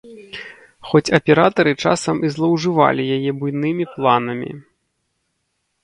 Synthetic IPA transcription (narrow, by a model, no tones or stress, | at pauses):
xɔt͡sʲɐpʲɛɾat̪ɐɾɨt͡ʂasɐmizlˠɐwʐɨva̰lʲijajɛbujnɨmʲiplˠanɐmʲḭ